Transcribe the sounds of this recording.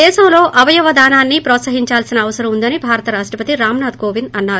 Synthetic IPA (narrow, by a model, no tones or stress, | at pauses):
ɛːʃɐmlo̞ːʔɐʋɐjɐʋɐd̪aːnaːnːipɾɔːt̪sɐɦiɲt͡ʃaːlsinɐːʋɐsɐɾɐmund̪ɐnibʱaːɾɐt̪ɐɾaːʂʈɾɐpɐt̪iɾaːmnaːd̪̚koːʋinɐnːaːɾu